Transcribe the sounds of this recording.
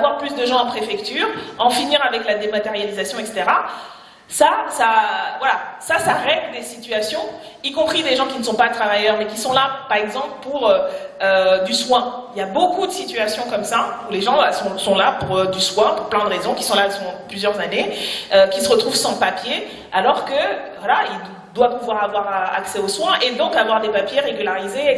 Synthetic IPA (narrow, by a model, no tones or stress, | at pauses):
avwaʁplys̬d̪əʒɑ̃ɑ̃pχefɛkt̪yːʁɑ̃finiʁavɛklad̪emat̪eʁjalizasjɔ̃ɛkse̥t̪eʁa | sasavwalasasaʁɛɲd̪esit̪yasjɔ̃ | ikɔ̃pχid̪eʒɑ̃kʲinəsɔ̃pat̪χavajœʁmɛkʲisɔ̃lapaʁɛɡzɑ̃pləpuʁøød̪yswɛ̃iljabokud̪əsit̪yasjɔ̃kɔmsauleʒɑ̃sɔ̃sɔ̃lapuʁød̪yswɛ̃puʁplɛ̃d̪əʁezɔ̃kʲi̥sɔ̃lasɔ̃plyzjœʁzaneøkʲisəʁət̪χuvsɑ̃papje | alɔʁkəvwalail | d̪wapuvwaʁavwaʁa̰ksɛoswɛ̃ʔed̪ɔ̃kavwaʁd̪epapjeʁeɡʲylaʁize